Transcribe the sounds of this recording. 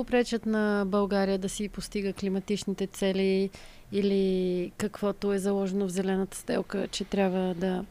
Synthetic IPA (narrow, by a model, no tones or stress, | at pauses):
opɾɛt͡ʃət̪nɐbɐlˠɡaɾijəd̪ɐsipost̪iɡəklimɐt̪it͡ʃnit̪ɛt̪sɛliː | likɐkvɔt̪oɛzɐlˠɔʒɛnovzɛlɛnət̪ə̥st̪ɛlˠkət͡ʃɛt̪ɾʲjabvəd̪ɐ